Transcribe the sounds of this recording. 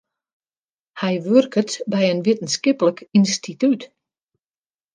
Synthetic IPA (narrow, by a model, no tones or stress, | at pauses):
hɛjʋørkətbɛjənʋɪtən̩skɪpələkinstʰityt